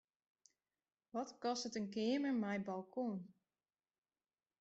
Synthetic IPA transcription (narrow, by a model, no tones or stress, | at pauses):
ʋɔtkɔstətənkɪːməɹmajbalˠkʰon